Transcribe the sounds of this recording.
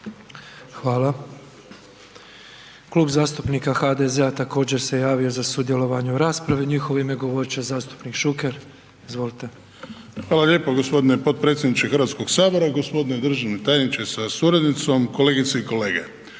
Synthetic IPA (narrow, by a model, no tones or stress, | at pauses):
xʋaːla | kluːbzaːst̪upniːkaxad̪ezeat̪ako̞ːd͡ʑe̞ɾse̞jaːʋio̞zasud̪jelo̞ʋaɲuɾaːspɾaʋeɲixoʋoimeɡo̞ʋo̞ɾt͡ɕazaːst̪u̥pnikʃukeɾ | izʋo̞lit̪e̞ | xʋaːlalʲje̞ːpoɡospo̞d̪inepo̞t̪̚pɾet̪sʲjed̪nit͡ʃexrɾʋaːt̪sko̞ɡsaːbo̞ɾaɡo̞spo̞d̪ined̪r̩ʒanet̪aːjenit͡ʃesasuɾad̪nit̪so̞mko̞leːɡit̪seiko̞le̞ːɡḛ